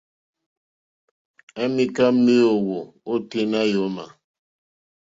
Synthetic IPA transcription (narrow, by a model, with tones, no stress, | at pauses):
a˦mi˦ka˦mː˦i˦o˨wo˨ | o˦te˦na˦jo˨˦ma̰˨